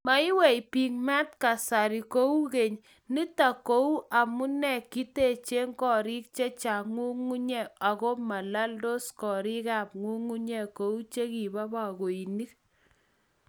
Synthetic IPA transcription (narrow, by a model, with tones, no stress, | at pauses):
ma˨˦i˦wɛ˦˨jpi˨k̚ma˦t̚ka˨sa˨ɾi˨ko˦u˦ke˨ɲ | ni˦ta˨ko˦u˦ʔa˨mu˦nɛ˦˨ki˦te˨t͡ʃe˦ŋkɔ˦ɾi˦k̚t͡ʃe˦t͡ʃa˨ŋu˦ŋu˦ɲɛ˦˨a˨ko˦ma˨la˦ldo˦skɔ˨ɾi˦ka˦˨p̚ŋu˦ŋu˦ɲɛ˨ko˨˦u˦t͡ʃe˦ki˨ba˦ba˨ko˨i˨ni˦k̚